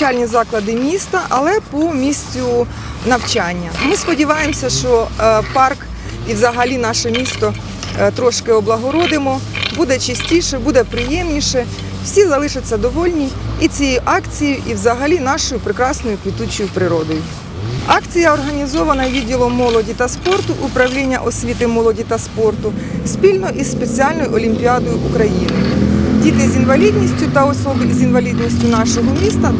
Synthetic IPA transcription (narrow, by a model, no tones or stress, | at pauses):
ɑlʲnʲizɑklˠɐd̪ɪmʲist̪ɐʔɐlˠɛpɔmʲisʲt͡sʲʊ | nɐwt͡ʃɑnʲːɐmɪspɔdʲiʋɑjemsʲɐʃt͡ʃɔpɑrk | iwzɐɦɐlʲinɑʃɛmʲist̪ɔ | t̪ɾɔʃkɪɔblˠɐɦɔɾɔd̪ɪmɔbud̪ɛt͡ʃɐsʲtʲiʃɛbud̪ɛpɾɪjɛmnʲiʃɛ | wsʲizɐlˠɪʃɪt͡sʲːɐd̪ɔʋɔlʲnʲiit͡sʲijejiʔɑkt͡sʲijjʊʔiwzɐɦɐlʲinɑʃɔjʊpɾɪkɾɑsnɔjʊkʋʲit̪ut͡ʃɔjʊpɾɪɾɔd̪ɔjʊ | ɑkt͡sʲijɐɔrɦɐnʲizɔʋɐnɐʋʲidʲilˠɔmːɔlˠɔdʲit̪ɐspɔrt̪ʊʔʊpɾɐwlʲinʲːɐ̰ʔɔsʲʋʲit̪ɪmɔlˠɔdʲit̪ɐspɔrt̪ʊ | spʲilʲnɔʔisspet͡sʲiɑlʲnɔjʊʔɔlʲimʲpʲiɑd̪ɔjʊʔukɾɐjinɪdʲit̪ɪzʲinʋɐlʲid̪ʲnʲisʲtʲʊt̪ɐɔsɔbzʲinʋɐlʲid̪ʲnʲisʲtʲʊnɑʃɔɦɔmʲist̪ɐ